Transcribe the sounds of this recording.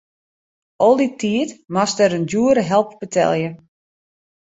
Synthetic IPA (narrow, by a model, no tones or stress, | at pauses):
ʔɔlˠditʰːiətmastɛɾənduəɾəɦɛlˠpb̥ətʰɛ̰lˠjə